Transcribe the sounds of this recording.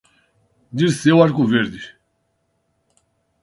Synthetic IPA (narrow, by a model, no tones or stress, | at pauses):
d̪iɾsewaɾkuveɾd̪ɪ